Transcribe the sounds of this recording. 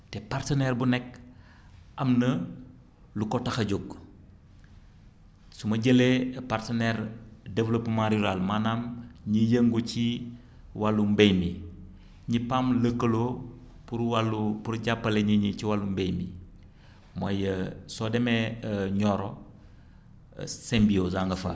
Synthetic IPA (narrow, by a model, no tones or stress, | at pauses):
tɛpartənɛɾbunɛk | ʔɐmnɐ | lukɔtɐxɐɟoɡ | sumɐɟəlepartɐnɛɾdevlopːmaɾjuɾalmaːnamɲijəŋɡuci | walːumbejmi | ɲipamləkːəlo | puɾwalupuɾɟapːɐleɲiɲit͡ʃiwalːumbejmi | mɐjəsɔdɛmɛɲɔːɾɔ | sɛmbiozaŋɡɐfɐ̰